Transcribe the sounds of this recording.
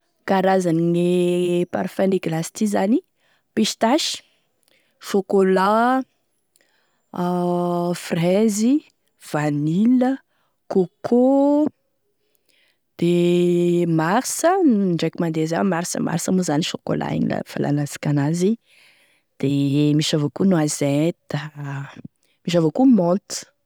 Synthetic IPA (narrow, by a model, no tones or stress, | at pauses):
kaɾazaniŋepa̰ɾfɛniɡlasi̥t̪izani | piʃt̪aʃi̥ | ʃokola | frɛzi | v̥anilə | kokʰo | d̪̥e | maɾsəɳɖ͡ʐekimand̪ezamaɾsə̰ma̰ɾsəmuzaniʃoko̰la̰ḛɲḭla̰fa̰lʔa̰nazḁkʲanazi | d̪̥emiʃavokunwazet̪ə | miʃ̬avokumɔlt̪u̥